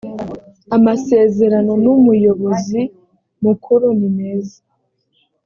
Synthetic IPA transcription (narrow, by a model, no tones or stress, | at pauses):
amase̞ːze̞ɾano̞numujo̞βo̞zi | mukʰuɾunineːzḁ